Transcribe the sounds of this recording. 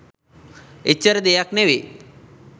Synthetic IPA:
et͡ʃːəɾd̪ejakneʋe

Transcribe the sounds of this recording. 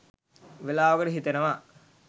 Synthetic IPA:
ʋelaːʋəkəʈəɦit̪enəʋa

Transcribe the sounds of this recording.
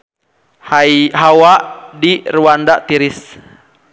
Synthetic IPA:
hajɦawaʔdiruandaʔt̪iɾis

